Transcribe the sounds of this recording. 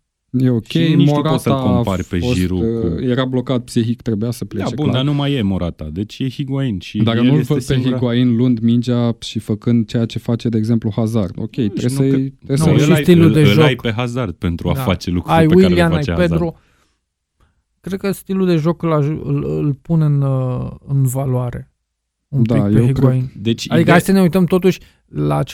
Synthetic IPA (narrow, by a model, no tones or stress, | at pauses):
jeo̞kʲejimoɾaot̪aompaɾʲpefoʒsiɾuje̞ɾablo̞kat̪̚psixikt̪ɾe̞bujasəpleat͡ʃebuld̪anumajemoɾat̪a̰d̪e̞t͡ʃʲjehiɡwainʃid̪aknnufəpeɦiɡwainlund̪mind͡ʒaʃifəkɨnd̪̚t͡ʃe̞jat͡ʃe̞fat͡ʃe̞d̪eːɡze̞mpluhazard̪o̞̰kʲe̞jt̪ɾesəɾesusəʃist̪ilud̪e̞ɨlʒoajkpeɦazard̪̥̚pe̞nt̪ɾua̰d̪faat͡ʃelukɾajewilianajped̪ɾo | kɾed̪̚kəst̪ilud̪e̞ʒo̞kɨlaʒɨlɨlpuneɨnɨnvalwaɾe̞̰ | umd̪ajewiɡwaind̪et͡ʃad̪ikəasəneujt̪əmt̪ot̪uʃʲ | laː